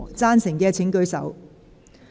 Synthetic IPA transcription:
t͡saː˥nsɪ˨˩ŋkɛː˧t͡sʰɪ˨˥ŋkɵ˧ɥsɐ̰˨˥w

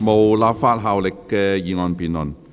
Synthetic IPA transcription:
mo˨wlaː˨p̚faː˧t̚ɦaː˨˧wlɪ˨kːɛː˧jiː˨˧ŋɔː˨˧npiː˨˩nlə˨˩n

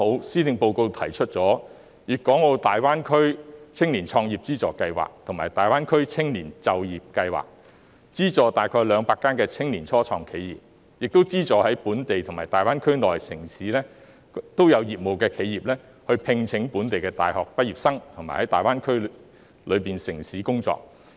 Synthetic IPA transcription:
o˨˧wsiː˥t̪ɪ˨˧ŋpo˧wko˧wt̪ʰɐ˨˩jt͡ʃʰɵ˥t̚t͡sɔː˨˥ | jiː˨kːɔː˨˥ŋɔ˧t̪aː˨jwaː˥nkʰɵ˥ɥt͡sʰɪ˥ŋliː˨˩nt͡ʃʰɔː˧ŋjiː˨˩p̚t͡siː˥t͡sɔː˨˩kɐ˧jwa̰ː˨k̚t̪ʰʊ˨˩ŋmaː˨˩jt̪aː˨jwaː˥nkʰɵ˥ɥt͡sʰɪ˥ŋliː˨˩nt͡sɐ˧wjiː˨p̚kɐ˧jwa̰ː˨˩k̚ | t͡siː˥t͡sɔː˨t̪aː˨jkʰɔː˧jlœː˨˧ŋpaː˧kːaː˥nkɛː˧t͡sʰɪ˥ŋliː˨˩nt͡ʃʰɔː˥t͡ʃʰɔː˧ŋkʰe˨˧jiː˨p̚ | jɪ˨k̚t̪o˥wt͡siː˥t͡sɔː˨hɐ˨˥jpuː˨˥nt̪e˨jt̪ʰʊ˨˩ŋmaː˨˩t̪aː˨jwaː˥nkʰɵ˥ɥnlɔː˨jsɪ˨˩ŋsiː˨˥lɛː˥ | t̪o˥wjɐ˨˧wjiː˨˩p̚mo˨wkɛː˧kʰe˨˧jiː˨˩p̚lɛː˥ | hɵ˧ɥpʰɪ˧ŋt͡sʰɪ˨˥ŋpuː˨˥nt̪e˨jkɛː˧t̪a̰ː˨jhɔː˨k̚pɐ˥t̚jiː˨˩p̚sɐ˥ŋt̪ʰʊ˨ŋmaː˨˩hɐ˨˥jt̪aː˨jwaː˥nkʰɵ˥ | lɵ˨˧ɥpiː˨nsɪ˨˩ŋsiː˨˥kʊ˥ŋt͡sɔ̰ː˨k̚

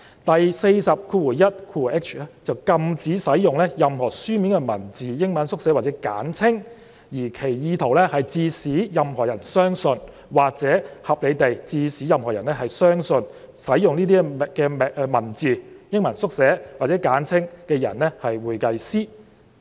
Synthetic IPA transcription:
t̪ɐ˨jse˧jsɐ˨p̚kʰuː˧wu˨˩jɐ˥t̚kʰuː˧˨˩ɛ˥k̚t͡ʃʰɛ˥t͡sɐ˨wkɐ˧mt͡siː˨˥sɐ˨˥jjʊ˨˩ŋlɛ˥jɐ˨mhɔː˨˩syː˥miː˨˥nkɛ˧mɐ˨˩nt͡siː˨jɪ˥ŋmɐ˨˥nsʊ˥k̚sɛ˨˥wa˨t͡sɛː˨˥ka̰ː˨˥nt͡sʰɪ˥ŋ | jiː˨˩kʰe˨˩jjiː˨˧t̪ʰo˨˩wlɛ˥hɐ˨jt͡siː˧siː˨˥jɐ˨mhɔː˨˩jɐ˨˩nsœː˥ŋsɵ˧n | waː˨k̚t͡sɛː˨˥hɐ˨p̚le˨˧t̪e˨jt͡siː˧siː˨˥jɐ˨mhɔː˨˩jɐ˨˩nɛ˥hɐ˨jsœː˥ŋsɵ˧n | sɐ˨˥jjʊ˨ŋniː˥t̪iː˥˨kɛː˧mɛ˨ʔːmɐ˨˩nt͡siː˨jɪ˥ŋmɐ˨˩nsʊ˥k̚sɛː˨˥waː˨˩t͡sɛː˨˥kaː˨˥nt͡sʰɪ˥ŋkɛː˧jɐ˨˩nɛ˥hɐ˨jwuː˨jkɐ˧jsiː˥

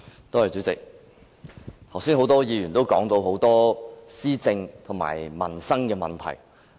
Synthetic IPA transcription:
t̪o˥hɐ˨jt͡sy˨˥t͡sɪ˨k̚ | t̪ʰɐ˨˩wsiː˥nɦo˨˥wt̪ɔː˥jiː˨˧jyː˨˩nt̪o˥wkɔ̰ː˨˥ŋt̪o˧wɦo˨˥wt̪ɔː˥siː˥t͡sɪ˧ŋt̪ʰʊ˨˩ŋma̰ː˨˩jmɐ̰˨˩nsɐ˥ŋkɛː˧mɐ̰˨nt̪ʰɐ̰˨˩j

